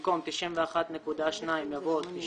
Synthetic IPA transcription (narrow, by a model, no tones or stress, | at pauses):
komt̪iʃimveaχat̪nekud̪aʃnaimjavot̪ːiʃ